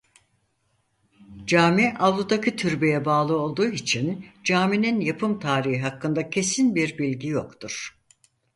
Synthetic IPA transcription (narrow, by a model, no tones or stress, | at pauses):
d͡ʒaːmiʔalˠud̪acʰit̪ʰyɾbe̞jɛbaːlˠɯo̞lˠd̪uːit͡ʃʰind͡ʒaːmininjapʰɯmt̪ʰaːɾihiɦakːɯnd̪acʰe̞sinbiɾbilʲɟijo̞kt̪ʰuɾ̥